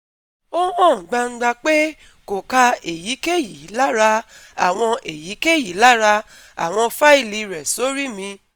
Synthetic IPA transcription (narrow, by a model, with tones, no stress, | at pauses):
o˦mɔ̃˦˨ɡ͡ba˧ŋ̩˦ɡ͡ba˧k͡pe˦ | ko˨ka˧e˨ji˨˦ke˦˨ji˨˦la˦ɾa˧a̰˨w̃ɔ̃˧ʔe˨ji˨˦ke˦˨ji˨˦la˦ɾa˧ | a̰˨w̃ɔ̃˧fa˦i˦˨li˧ɾɛ˨so˦ɾi˦mĩ˧